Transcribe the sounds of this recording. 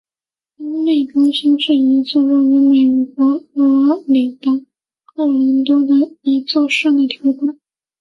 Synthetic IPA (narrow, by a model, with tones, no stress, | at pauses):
i˧˥ne˥˩ʈ͡ʂʊ˥ŋɕi˥ŋʂɻ̩˥˩i˧˥t͡sɔ˥˧ɻu˥˩y˧˥me˨˩ɪkwɔ˧˥˧ | li˨˩ŋt̪ɑ˥ | kɑ˥˩ɻə˧˥nt̪ɔ˥d̪ə˨˩i˧˥t͡sɔ˥˧ʊʂə˥˩ŋd̪ə˩t̪ʰjɑ˧˥ʊkwa˨˩˦